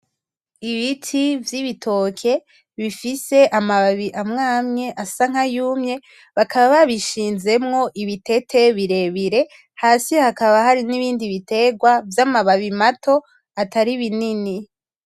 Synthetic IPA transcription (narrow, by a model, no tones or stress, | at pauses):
iβitʰivjiβitʰo̞kʰe̞ | βifise̞ʔamaβaβiʔamŋaːmɲe̞ʔasaŋ̥ajuːmɲe̞ | βakʰaβaβaβiʃiːnze̞mŋo̞ʔiβite̞tʰe̞βiɾe̞βiɾe̞ | haːsihakaβaɦaɾiniβiːndiβite̞ɡwavjamaβaβimatʰo̞ | ataɾiβinini